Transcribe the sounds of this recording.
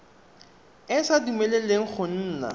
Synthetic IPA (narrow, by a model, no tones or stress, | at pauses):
ɪsadumeleleŋ̩k͡xʰʊn̩ːla̰